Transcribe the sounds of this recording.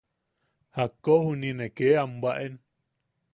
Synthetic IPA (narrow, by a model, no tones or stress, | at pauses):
hakːohunĩnekeambaʔen